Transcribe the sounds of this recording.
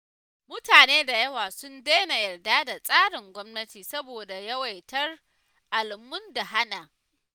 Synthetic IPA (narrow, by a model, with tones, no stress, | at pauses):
mʊ˦taː˨neː˦da˨jɐ˦waː˨sʊ˦ndeː˦na˨jɐ˨rdaː˦da˨sʼaː˦ɽɪ˨ŋɡʷɔ˦mnɐ˦tiː˨sɐ˦boː˨da˨jɐ˦wa˨jtɐ˦r | ʔa˨lɪ˨mːʊ˦nda˨ɦa˦naː˨